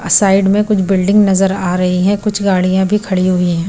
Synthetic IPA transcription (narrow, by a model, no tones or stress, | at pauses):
saːɪɖmẽkʊt͡ʃʰbɪlɖɪ̃ŋɡnɐzəɾaːɾɐɦiɦɛ̃kʊt͡ʃʰɡaːɽijãbʱikʰɐɽiɦʊiɦɛ̃ː